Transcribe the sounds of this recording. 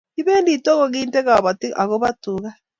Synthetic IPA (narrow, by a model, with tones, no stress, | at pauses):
i˦βɛː˦ndi˨tɔ˦ɣɔ˦˨ɣiː˦ntɛ˦ɣa˨βa˨ti˦ʔa˨ɣo˦βa˦tu˨ɣa˦